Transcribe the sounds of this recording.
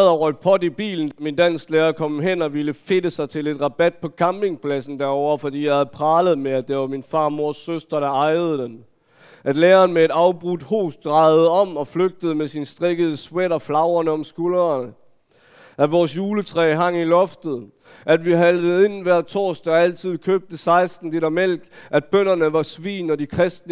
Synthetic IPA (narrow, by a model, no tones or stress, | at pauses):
ð̩ˠɐʁɔɡ̥̚pʰɒ̽dib̥ḭːln̩d̥æmind̥æn̰sleːɐkʰɒ̽mɦen̰ɒ̽ʋiləfe̝d̥əsɑ̈ɪt͡sʰe̝le̝d̥ʁɑ̈b̥æd̥̚pʰɒ̽kʰɑ̈mb̥e̝ŋpʰlæsn̩d̥æɐɒʊɐfɒ̽d̥ḭːjɑ̈hæð̩ˠpʰʁɑ̈ːləð̞̩ˠmeæd̥eʋɑ̈minfɑ̈ːmo̝ɐsːøsd̥ʁɐɾ̥ɑ̈ɑ̈ɪð̞̩ˠəd̥en | ʔæd̥leːɐːnmee̝d̥ɑ̈ʊb̥ʁud̥ho̝̰ːsd̥̚ʁɑ̈ɪð̩ˠəɒ̽mɒ̽fløɡ̥̚d̥əð̞̩ˠəmesinsd̥ʁeɡ̥əð̞̩ˠəsweɾɒ̽flɑ̈ʊɐnəɒ̽msɡ̥ulɐnə | ʔæd̥ʋɒːsjuːlət͡sʰʁɛ̰ːɦɑ̈ŋ̰ilɒ̽fd̥ð̩ˠ | ʔæd̥ʋiɦældð̩ˠe̝nn̩ʋæɐ̰t͡sʰɔ̰ːsd̥ææl̰t͡sʰið̞̰ˠkʰøb̥̚d̥əsɑ̈ɪsd̥n̩d̥eɾæmel̰ɡ̥æd̥̚b̥øn̰ɐnəʋɑ̈sʋḭːnɒd̥ikʰʁɛsd̥nə